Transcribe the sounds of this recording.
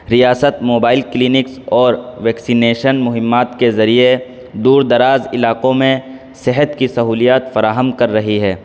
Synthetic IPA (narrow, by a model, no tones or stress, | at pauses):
ɾijaːsət̪moːbaːɪlkliːnɪksɔːɾʋɛːksineːʃənmʊɦɪmːaːt̪kezɐɾie | d̪uːɾd̪ɐɾaːzɪlaːqõmẽ | sɪɦət̪kisɐɦuːlijaːt̪fɐɾaːɦəmkɐɾːɐɦiɦɛː